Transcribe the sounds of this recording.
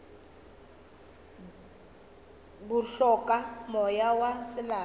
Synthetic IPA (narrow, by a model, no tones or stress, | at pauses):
bʊɬɔkʼamɔjawasɪlaː